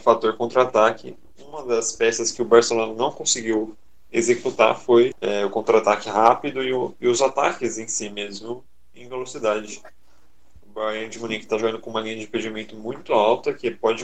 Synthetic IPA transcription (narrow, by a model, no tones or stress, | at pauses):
fat̪oɾkõnt̪ɾat̪akɪ̰ | ũmɐd̪ɐspɛsɐskɪʊbaɾselõnɐnɐ̃w̃kõsɪɡiw | ezekut̪a̰fojɛʊkõnt̪ɾat̪akɪɦapid̪ʊɪʊɪʊzat̪a̰kɪzẽj̃simezmʊ | ẽvelosid̪ad͡ʒɪ | ʊbajɐ̃nd͡ʒɪmũnĩkɪ̥t̪aʒoɡɐ̃ndʊkõũmɐlĩɲɐd͡ʒɪ̃ped͡ʒɪmẽnt̪ʊmũj̃t̪ʊawt̪ɐkɪpɔd͡ʒɪ